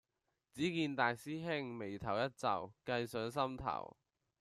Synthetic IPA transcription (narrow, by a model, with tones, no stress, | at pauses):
t͡siː˨˥kiː˧nt̪aː˨jsiː˥ɦɪ˥ŋme˨˩jt̪ʰɐ˨˩wjɐ˥t̚t͡sɐ̰˨˩wkɐ˧jsœː˨˥ŋsɐ˥mt̪ʰɐ̰˨˩w